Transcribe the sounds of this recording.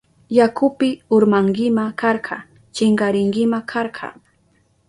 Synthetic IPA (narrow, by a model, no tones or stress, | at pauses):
jakʊpɪʊɾmaŋɡɪmakaɾɢʰɑ | t͡ʃɪŋɡɑɾɪŋɡɪmakʰɑɾɢʰɑ̰